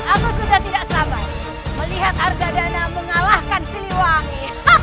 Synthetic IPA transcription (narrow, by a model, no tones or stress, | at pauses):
akusudaht̪idaʔsama | məliɦat̪̚harɡadanaməŋalahkansiliwaŋi